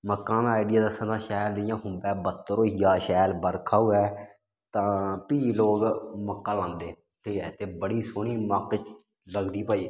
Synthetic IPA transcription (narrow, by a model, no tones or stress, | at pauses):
məkaːmaːɪɖɪjaːd̪əsːə̃t̪ãːʃɛːld̪ɪjãːɦʊmbɛːbət̪ːɾoːɦjaːʃɛːlbəɾkʰaːuːɛː | t̪ãːpiːloːɡməkːaːlãːnd̪eː | ʈʰiːkɛːɪt̪ʰːeːbəɽiːsʊːñiːməkt͡ʃ | ləɡd̪iːpaːiː